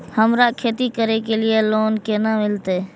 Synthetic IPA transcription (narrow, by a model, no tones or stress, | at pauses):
həmɾaːʔkʰeːt̪iːkəɾeːkeːlɪjeːloːnkeːnãːmɪlt̪eː